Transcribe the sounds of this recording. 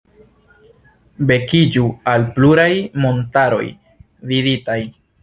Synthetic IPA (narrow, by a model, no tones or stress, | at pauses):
be̞kid͡ʒualpluɾajmo̞ntaɾo̞̰j | viditaj